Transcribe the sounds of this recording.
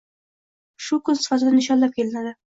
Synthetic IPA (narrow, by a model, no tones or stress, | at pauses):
ʃʊkʊnsɪ̥fat̪ɪd̪anɪʃɒnlap̚kʲe̞lɪnad̪ɪ